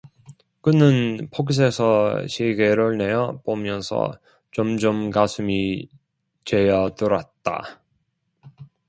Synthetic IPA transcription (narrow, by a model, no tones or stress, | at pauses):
kɯnɯnpʰoks̬ʰesʰʌɕʰiɡeɾɯɭne̞jʌpomjʌnsʰʌ̰ | t͡ɕomd͡ʑomkasʰumi | t͡ɕe̞jʌtɯɾat̚t͈a̰